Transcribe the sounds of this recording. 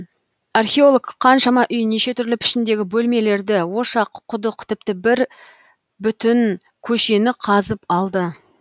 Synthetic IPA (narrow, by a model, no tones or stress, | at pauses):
arxʲe̞o̞lˠoɡqʰːɑnʃɑmɑʔʏjne̞ʃe̞t̪ʰʏɾlɪpʰɪ̥ʃɪnd̪e̞ɡʲɪbɵlme̞le̞ɾd̪ɪwo̞ʃɑqʰːʊd̪əqt̪ʰɪp̚t̪ɪbɪɾ | bʏt̪ɪn | kʲʰɵʃe̞nɪqʰɑzəpɑlˠd̪ə